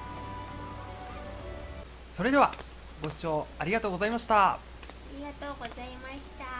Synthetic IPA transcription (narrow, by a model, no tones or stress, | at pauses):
so̞ɾe̞d̪e̞a̰ | ɡo̞ɕi̥t͡ɕo̞ːaɾʲiɡat̪o̞ːɡo̞zaimaɕi̥t̪a | aɾʲiɡat̪oːɡo̞zaimaɕi̥t̪a